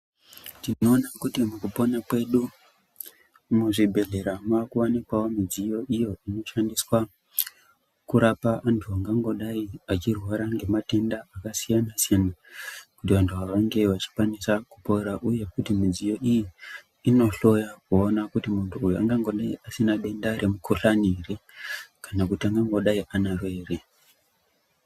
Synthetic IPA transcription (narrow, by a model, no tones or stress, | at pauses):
tino̞ːnakutimukupo̞nakwe̞ɗu | muʐibʱe̞ɮe̞ɾamːkuwanikwawomid͡zijo̞ʔijo̞ino̞ʃandiswa | kuɾapaʔantʰuaŋɡaŋɡo̞ɗaiat͡ʃirwaɾaŋɡe̞mate̞ndaːkasijanasijanakutiʋantʰuaʋaŋɡe̞ʋat͡ʃi̥kwanisakupo̞ɾaʔuje̞kutimid͡zijo̞ʔijiː | no̞ɬo̞jakuonakutimuntʰuːjua̰ŋɡaŋɡo̞ɗaiʔasinaɗe̞ndaɾe̞mukʰoɬanirekanakutiaŋɡaŋɡoɗaiʔanarwe̞ːre